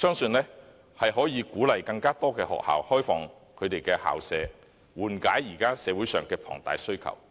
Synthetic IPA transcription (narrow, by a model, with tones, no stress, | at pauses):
sœː˥ŋsɵ˧nlɛː˥ | hɐ˨jɦɔː˨˥jiː˨˧kuː˨˥lɐ˨jkɐ˧ŋkaː˥t̪ɔː˥kɛː˧hɔ̰ː˨k̚ha̰ː˨whɔː˥jfɔː˨ŋ | kʰɵ˨˧t̪e˨jkɛː˧ha̰ː˨wsɛː˨˧ | wuː˨˩nkaː˨˥jːiː˨˩kaː˥sɛː˨˧wuː˨˥jsœː˨˩ŋkɛː˧pʰɔ̰ː˨˩ŋt̪aː˨jsɵ˥ɥkʰɐ̰˨˩w